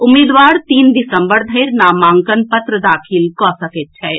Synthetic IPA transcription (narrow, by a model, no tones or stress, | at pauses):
ʊmːiːd̪ʋaːɾt̪iːnd̪ɪsə̃mbəɾd̪ʱəɪɾnaːmãːŋkənpət̪ɾəd̪aːkʰilkɔːsəket̪̚t͡ʃʰɛː